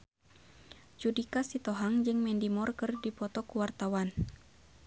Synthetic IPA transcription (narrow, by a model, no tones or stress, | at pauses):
t͡ʃudikasit̪oɦaŋd͡ʒɨŋmɛndimɔrkɨrdipɔt̪ɔkuwart̪awan